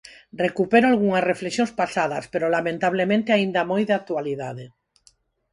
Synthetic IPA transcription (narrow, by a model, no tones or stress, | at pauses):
rekupeɾoalɣuŋasrefleksjonspasað̞aspeɾolamẽnt̪aβ̞lemẽnt̪eaĩnd̪amojðeak̚t̪ualiðaðe